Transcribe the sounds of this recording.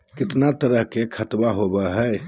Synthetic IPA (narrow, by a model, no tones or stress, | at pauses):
kɪt̪nat̪əɾəɦkekʰət̪baɦobəɦə